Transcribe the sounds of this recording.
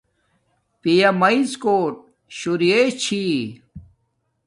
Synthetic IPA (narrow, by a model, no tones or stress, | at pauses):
pijɐmɐizkoːʈ̚ | ɕuɾijet͡ɕʰi